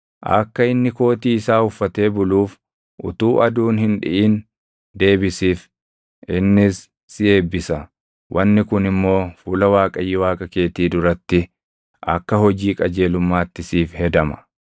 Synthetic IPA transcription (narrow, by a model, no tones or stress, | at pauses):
ʔɐ̰kːɐɪnːɪko̞ːt̪iːɪsaːhʊfːɐt̪e̞ːbʊluːf | ʔʊ̰t̪uːʔɐd̪uːnhɪnᶑɪ̰ʔiːn | d̪e̞ːbɪsiːf | ɪnːɪsː | ɪe̞ːbːɪsɐ | wʔɐnːɪkʊnɪmːo̞ːfuːlɐwaːkʼɐjːɪwaːkʼɐke̞ːt̪iːd̪ʊɾɐt̪ːɪ | ʔɐ̰kːɐhɔd͡ʒiːkʼɐd͡ʒe̞ːlʊmːaːt̪ːɪsiːfhɛd̪ɐmɐ̥